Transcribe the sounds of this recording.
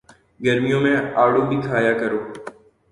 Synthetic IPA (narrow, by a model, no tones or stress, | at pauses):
ɡəɾmɪjõːmẽːaːɽõːbʱiːkʰaːjaːkəɾoː